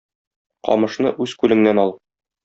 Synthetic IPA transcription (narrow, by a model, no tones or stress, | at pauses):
qɒ̰mɤ̆ʃnɤʔʉzkʉlɘ̆ŋnænɒlˠ